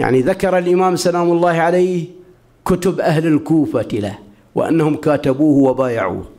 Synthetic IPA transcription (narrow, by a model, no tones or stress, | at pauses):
ja̰ʕniðakɑɾˤɑlʔɪmaːmsalaːmʊlˤːɑːhʕalaːh | kʊt̪ʊbʔahlɪlkuːfat̪ɪla | wɪ̰ʔa̰nːahʊmkaːt̪abuːhwabaːja̰ʕṵːh